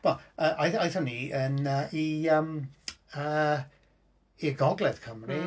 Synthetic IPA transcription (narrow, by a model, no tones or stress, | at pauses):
b̥ɔəʔojθojθɔniənəʔiəməː | iɡɔɡlˠɛð̥kʰəmri